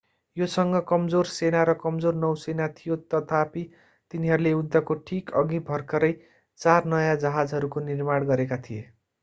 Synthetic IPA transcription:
josʌŋɡʌkʌmd͡zorsenaɾʌkʌmd͡zornʌwsenat̪ʰijot̪ʌt̪ʰapi | t̪iniɦʌɾuleud̪ːʌkoʈʰikʌɡibʱʌrkʰʌɾʌj | t͡sarnʌjad͡zʌɦad͡zɦʌɾukonirmaɽɡʌɾekat̪ʰije

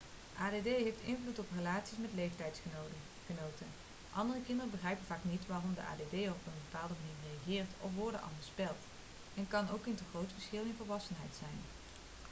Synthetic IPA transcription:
ʔaːdedejɦejftɪnvlutɔprəlaːtsismɛtlejftɛjtsχəo | ənowtə | ʔɑndərəkɪndərəbəχrɛjpənv̥aːknitʋaːrɔmdə̰ʔa̰ːdedejɔpənbəpaːlˠdəmaniːɹrejaχɪːɹtɔ̰fʋɔɹdə̰ʔɑ̰ndəspɛlˠt | ɛnkɑnowkɪntəχrowtfəɹsxɪlˠɪnvəɹʋɑsənɦɛjtsɛjn

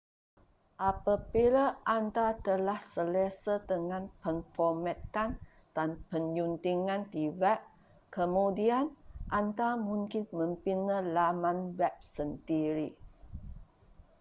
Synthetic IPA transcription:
ʔapəpilaʔant̪at̪əlahsələsət̪əŋãnpəŋfɔmɛt̪an | d̥anpəɲjunt̪iŋãnt̪ivɛʔ | kəmudianʔant̪amũŋkinmə̃mpinəlamãnbɛp̚sənt̪iɾi

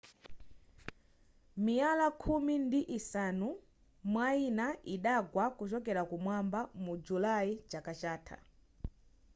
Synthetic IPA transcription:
mialakʰumindiʔisanu | mwainaʔiɗaɡwakut͡ʃɔkɛɾakumwambamud͡ʒulaid͡ʒakat͡ʃaːtʰa̰

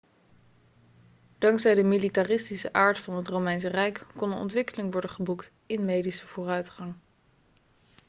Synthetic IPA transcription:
d̥ɑŋksɛjdəmilitarɪstisəʔaːɹtfɑnɦətrowmɛjnsərɛjkkɔnənɔ̰ntʋɪkəlɪŋʋɔɹdəχəbukt | ɪnmejdisəv̥ʊːrœɥtχɑŋ

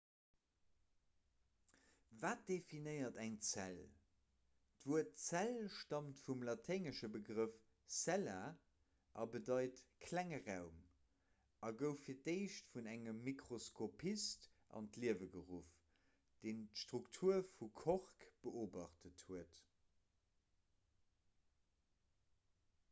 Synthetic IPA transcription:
vaːt̚d̥efinəɪɐtæŋt͡sæl | d̥vuətt͡sælʃtɑmtfumlɑtʰɛɪŋəʃəbəɡʁəf | sælaː | ʔɑbədɑɪtkʰlæŋəʁaʊm | ʔɑɡəʊfiːɐteɪʃtfunæŋəmːikʁoskʰopʰist | ʔɑ̰ntliəvəɡəʁuf | d̥eːntʃtʁuktʰuɐfukʰɔʁkb̥əʔoːbɑχtəthuət

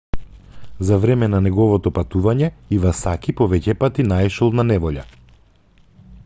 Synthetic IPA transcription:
zavɾɛmɛnanɛɡɔvɔt̪ɔpat̪uvaɲɛivasakipɔvɛcɛpat̪inaɛʃɔlˠnanɛvɔʎa̰

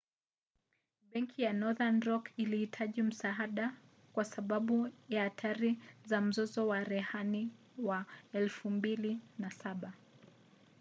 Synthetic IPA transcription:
ɓɛŋkʰijanɔðanɾɔkilihitʰaʄim̩saɦaɗa | kwasaɓaɓujaːtʰaɾizam̩zɔzɔwaɾɛhani | waɛlfumbilinasaɓa

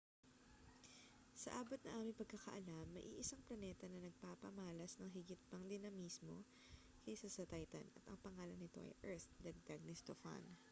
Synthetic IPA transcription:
sɐ̰ʔaːbot̪̚nɐʔaːmɪŋpɐɡ̚kɐkɐ̰ʔɐlamːɐʔiʔɪsaŋplɐnɛt̪ɐnɐnɐɡ̚paːpɐmaːlɐsnɐŋɦɪɡɪt̪̚pɐŋd̪ɪnɐmiːsmo̞ | kɛsɐsɐt̪ajt̪ɐ̰nɐ̰t̪ɐ̰ŋpɐŋaːlɐnɪt̪o̞̰ʔɐ̰jʔɛɹθd̪ɐɡ̚d̪ɐɡ̚nɪst̪o̰fɐ̰n

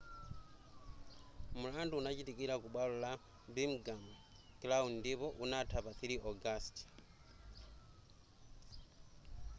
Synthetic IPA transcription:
mulanduːnat͡ʃitikiɾakuɓwalula | bimɡam | klawndipɔʔunatʰaβaθiliʔoɡast

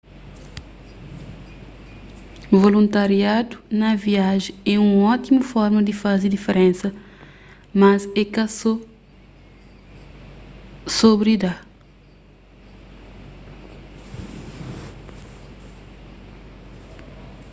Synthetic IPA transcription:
volũnt̪aɾiad̪unɐviaʒẽɛũɔt̪imufɔɾmɐd̪ifazid̪ifeɾẽnsɐ | mɐzɛkɐso | sobɾid̪a

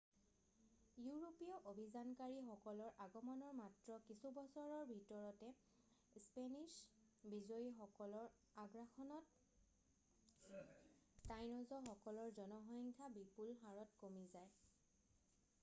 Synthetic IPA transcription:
juɹopijɔʔobʱizankaɹixɔkɔlɔɹʔaɡɔmɔnɔɹmatɹɔkisubɔsɔɹɔɹbʱitɔɹɔtɛ | spenis | bizojixɔkɔlɔɹ | aɡɹaxɔnɔt | tajnɔzɔxɔkɔlɔɹzɔnɔɦɔjŋkʰabipulɦaɹɔtkomizaj

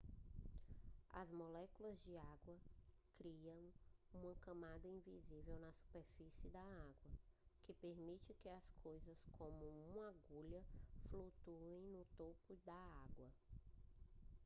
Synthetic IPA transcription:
ɐ̰zmolɛkulɐzd͡ʒɪaɡwɐkɾiɐ̃w̃ũmɐkɐ̃mad̪ɐĩvizivewnɐsu̥peɾfisɪd̪ɐaɡwɐkɪpeɾmit͡ʃɪkɪɐskʰojzɐskõmʊũmaɡuʎɐflut̪uẽj̃nʊt̪opʊd̪ɐaɡwɐ

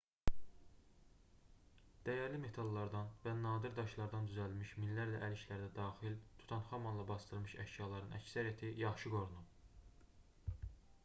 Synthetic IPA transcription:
d̪̥æjæɾlime̞t̪ʰɑlˠːɑɾd̪ɑnvænɑːd̪iɾd̪ɑʃlˠɑɾd̪ɑnd̪yzælmiʃminːæɾlæʔæliʃlæɾd̪æd̪ɑːxilt̪ʰu̥t̪ʰɑnχɑmɑnlˠɑbɑsd̪ɯlˠmɯʃæʃjɑlˠɑɾɯnʔæ̰csæɾijæt̪ʰijɑχʃɯɡo̞ɾunu

